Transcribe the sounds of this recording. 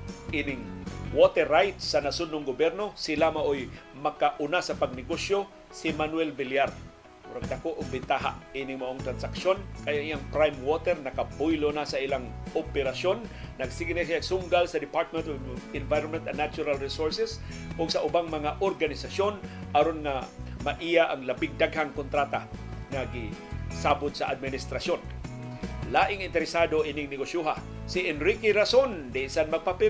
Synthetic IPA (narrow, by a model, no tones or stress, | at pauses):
ʔinɪŋwot̪ɛɾajt̪sːanasʊnːʊŋɡʊbjɛɾnosɪlamaʔojmɐkaʔʊnasɐpaɡ̚nɪɡosjo | sɪmanwɛlbɪljaɾ | ʊɾaɡ̚d̪akoʔʊɡ̚bɪnt̪aɦa̰ʔinɪŋmaʔoŋt̪ɾansakʃonkajaŋʔijaŋpɾajmwot̪ɛɾnɐkapʊjlonasailaŋʔopɛɾasjonːɐɡsɪɡnasaaɡsʊŋɡalsɐd̪ɪpaɾt̪̚mɛnt̪oɪnvajɾonmɛ̃nt̪ɐ̰nːat͡ʃʊɾalɹisoɹsɛsʔʊɡsaʔʊbaŋmɐŋaʔoɾɡanɪsasjonʔaɾonŋamaʔijaʔaŋlabɪŋ̚d̪aɡɦaŋkʊnt̪ɾaːt̪aŋaɡɪsaːbʊd̪sɐʔad̪̚mɪnɪst̪ɾasjon | laːʔɪŋɪnt̪ɛɾɪsaːd̪oʔinɪŋnɪɡosuɦa | sɪʔɛnɾikɪɾasond̪ɪsanmɐɡ̚papɪ